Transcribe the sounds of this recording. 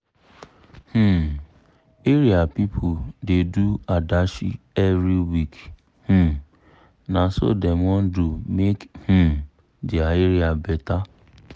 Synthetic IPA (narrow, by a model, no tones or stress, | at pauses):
h̩ | eɾiapipʰʊdeduadaʃḭ | ɛvɾiwik | h̩ | naso̰demɔ̃n̩dumekh̩ | diaeɾiabɛta